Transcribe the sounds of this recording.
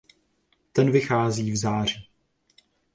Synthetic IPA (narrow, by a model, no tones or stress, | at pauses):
t̪ɛnvɪxaːziːvzaːr̝̥iː